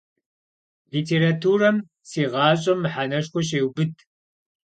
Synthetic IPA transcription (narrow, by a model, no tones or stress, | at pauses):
liːtʰeːɾatʰuːrɐm | siːʁɑːɕʼɐmːɨħanɐʂxʷɔɕ̬eːwbɨdʰ